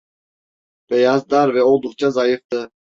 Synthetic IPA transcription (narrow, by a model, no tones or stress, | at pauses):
b̥ɛjazd̪aɾvɛolˠd̪uq̚t͡ʃʰazajɯfd̪ɯ